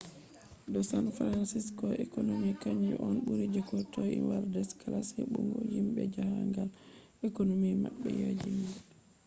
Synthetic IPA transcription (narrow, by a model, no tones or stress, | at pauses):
dɔsanfɾansiskɔɛkonomikaɲd͡ʒɛ̰ʔɔnɓuɾid͡ʒɛkɔtɔjḭwaɾdɛskalasɛɓuŋɡɔhimbɛd͡ʒahaŋɡal | ɛkonomimaɓːɛjad͡ʒina